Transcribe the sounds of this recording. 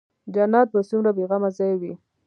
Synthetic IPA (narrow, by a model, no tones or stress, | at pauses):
d͡ʒanɑt̪̚basumɾabeɣamazɑjwi